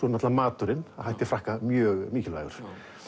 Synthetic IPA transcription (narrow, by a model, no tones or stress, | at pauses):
ɔnat̪lamaːt̪ʏɾɪnahajht̪ɪfɾahkamjœːɣmiːcɪlva̰ːɣʏɾ̥